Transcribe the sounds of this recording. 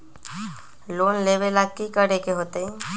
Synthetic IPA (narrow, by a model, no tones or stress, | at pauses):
loːnleːʋelakːikəɽekeɦoːt̪eɦẽː